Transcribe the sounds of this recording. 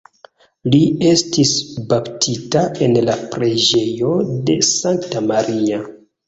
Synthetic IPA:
lie̞stisbaptʰitae̞nlapɾe̞d͡ʒe̞jo̞de̞̰saŋktamaɾia

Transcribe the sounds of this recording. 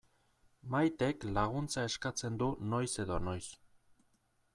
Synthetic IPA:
majt̪e̞klaɣ̞unt͡sae̞skat͡se̞nd̪uno̞jse̞ðo̞no̞js

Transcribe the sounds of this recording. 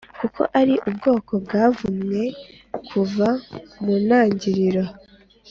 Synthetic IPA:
kuko̞̰ʔaɾiʔub̚ɡo̞ːko̞bɡaːvumŋe̞ | kʰuvamunaːɲɟiɾiɾa

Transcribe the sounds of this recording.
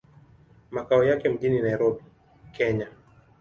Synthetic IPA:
makaɔjakɛm̩ʄininaiɾɔɓi | kʰɛɲa

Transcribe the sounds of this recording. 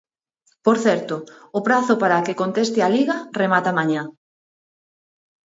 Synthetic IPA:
poɾθɛɾt̪ʊʊpɾaθʊpaɾakekont̪est̪ɪaliɣaremat̪amaɲa

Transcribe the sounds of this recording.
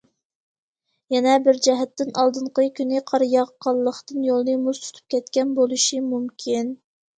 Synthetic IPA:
jɛnɛbɪɾd͡ʒɛɦɛt̪ːɪnʔɑlˠd̪ɨɴqəkʲynɪqʰɑɾjɑʁqʰːɑlˠːəχt̪ɨnjolˠnɨmuzt̪ʰy̥t̪ʰy̥p̚kʲɛt̪kʲɛnbolˠuʃimumkʲʰin

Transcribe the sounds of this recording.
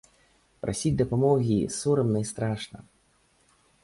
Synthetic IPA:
pɾʔa̰sʲid͡zʲd̪ɐpamɔɣʲisɔɾɨmnɐist̪ɾaʂnɐ̰

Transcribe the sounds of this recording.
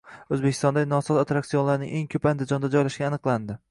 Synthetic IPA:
ɵzbekʲʰɪ̥st̪ɒnd̪anɒsɒt̪at̪ɾaksijonlaɾnɪ̰ŋʔe̞ŋkʰɵpand̪ɪd͡ʒɒnd̪ad͡ʒɒjlaʃɡʲaːnɨqlˠand̪ɪ

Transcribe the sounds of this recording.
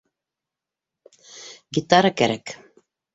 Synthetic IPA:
ɡʲit̪ɑɾɤkæɾæk

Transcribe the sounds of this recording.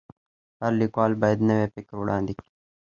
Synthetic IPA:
hɐɾlikwaːlbaːjəd̪nɐʋeːpɪkɾʊɽãːnd̪ik

